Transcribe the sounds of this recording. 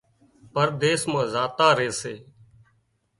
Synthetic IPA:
pəɾd̪eːsmãːzaːt̪aːɾeːseː

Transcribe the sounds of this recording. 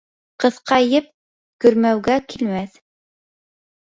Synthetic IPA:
qɤ̆ðqʰɑjɘp̚ | kɵ̆ɾmæwɡækʰilmæθ

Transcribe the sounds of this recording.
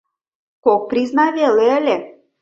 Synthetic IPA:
kok̚priznɑβeleəlʲe

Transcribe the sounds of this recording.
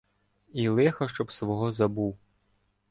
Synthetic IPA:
ilˠɛxɐʃt͡ʃɔbsʋɔɦɔzɐbuw

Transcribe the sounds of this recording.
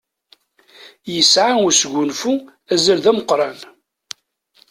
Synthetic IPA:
jəsʕaʊsɡʊnfu | æzælðæməqːɾˤɑn

